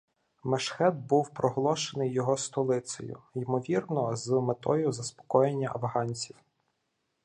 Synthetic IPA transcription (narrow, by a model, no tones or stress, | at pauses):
meʃxɛd̪̚buwpɾɔɦlˠɔʃenɪjːɔɦɔst̪ɔlˠɪsʲɔ̰jʊ̰jimɔʋʲirnɔzmet̪ɔjʊzɐspɔ̥kɔjenʲːɐʔɐwɦɑnʲt͡sʲiw